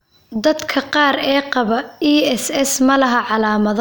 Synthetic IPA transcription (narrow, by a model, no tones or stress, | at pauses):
d̪ɐd̪kʰɐqɑːɾɛːqɑβɐiːɛsɛsmɐlɐɦɐʕɑlaːmɐð